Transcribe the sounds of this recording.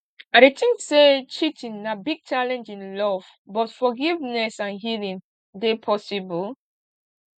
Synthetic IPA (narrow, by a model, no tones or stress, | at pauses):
aɾetĩŋkset͡ʃitʰĩnːabiɡ̚t͡ʃalɛ̃nd͡ʒĩnlɔv̥ | bɔtfɔɡivnɛsãnɦilĩn | depʰɔsibɔl